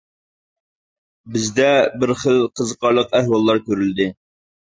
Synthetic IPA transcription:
bɪzd̪ɛbɪɾχəlˠqʰəzəqɑɾlˠəqɛhwɑlˠːɑɾkʲʰøɾyld̪ɪ

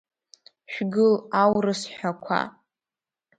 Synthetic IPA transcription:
ʃᶣɡɨlawrɨsħʷakʷʰa̰

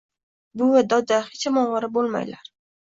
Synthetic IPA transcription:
bʊad̪ɒd̪ahet͡ʃamɒʁɑɾabolˠma̰jla̰ɾ

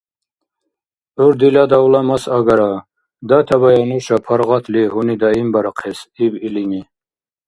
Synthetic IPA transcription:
ɔɾd̪ilad̪awlamasaɡaɾa | d̪at̪ʰaβajanuʃapʰaɾʁat̪ʰliɦunid̪aimbaɾaqʰɛsibilini

